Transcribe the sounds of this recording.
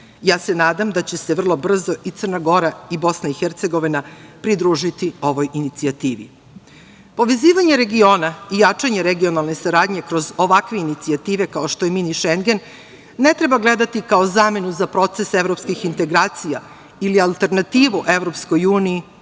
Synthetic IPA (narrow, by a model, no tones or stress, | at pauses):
jaːse̞naːd̪amd̪at͡ɕe̞seʋr̩lˠo̞br̩zo̞ʔit̪sɨrnaɡo̞ɾaibo̞snaixeɾt̪se̞ɡo̞ʋinapɾid̪ɾuːʒit̪io̞ʋo̞jinit̪siat̪iːʋḭ | po̞ʋe̞ziːʋaɲe̞ɾe̞ɡio̞ːnaijat͡ʂaɲeɾeɡio̞nalˠne̞saɾaːd̪ɲe̞kɾo̞zo̞ʋakʋe̞init̪siat̪iːʋe̞kao̞ʃt̪oeminiʃeŋɡe̞nː | e̞t̪ɾe̞baɡle̞d̪at̪ikaozaːme̞nuzapɾo̞t̪se̞se̞ʋɾo̞pskixint̪e̞ɡɾaːt̪sija̰ | ilialˠt̪e̞ɾnat̪iːʋuʔe̞vɾo̞psko̞juːniː